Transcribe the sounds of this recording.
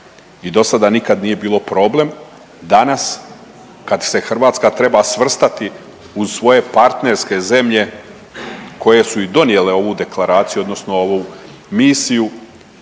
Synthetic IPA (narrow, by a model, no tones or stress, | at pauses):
id̪o̞sad̪anikad̪nije̞biːlˠo̞pɾo̞ːble̞m | d̪anas | kad̪se̞xr̩ʋaːt̪skat̪ɾe̞basʋr̩st̪at̪i | uzsʋo̞je̞paɾt̪ne̞ɾske̞ze̞mʎe̞ | ko̞je̞suid̪o̞nje̞le̞o̞ʋud̪e̞klˠaɾaːt̪sijuo̞d̪no̞sno̞oʋumiːsiju